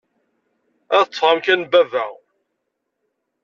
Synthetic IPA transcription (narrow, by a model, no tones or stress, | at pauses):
æðət͡sːˤɑmkænbævæ̰